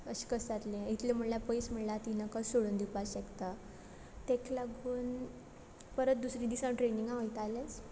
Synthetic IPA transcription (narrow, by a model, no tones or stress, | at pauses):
əɕi̥kəsat̪lẽit̪ʰlem̤əɳljapəjsm̤əɳlat̪inəkəsoɽund̪ipaɕekt̪a | t̪ekʰlaɡuːn | pəɾət̪̚d̪usɾid̪isãʈɾenĩŋɡãɦojt̪alẽt͡s